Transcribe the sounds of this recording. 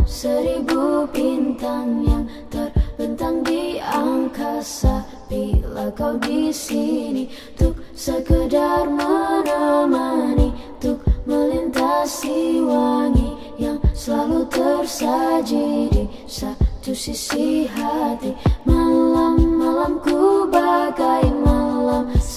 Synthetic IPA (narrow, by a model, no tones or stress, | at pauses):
səɾibupint̪aŋjaŋ | t̪ərbənt̪aŋdiaŋkasa | pilakawdisini | t̪ʊk̚ | səkədarmənamani | t̪ʊk̚məlint̪asiwaŋi | jaŋsəlalut̪ərsad͡ʒidi | sat̪usisiɦat̪imalamːalamkubakaimalam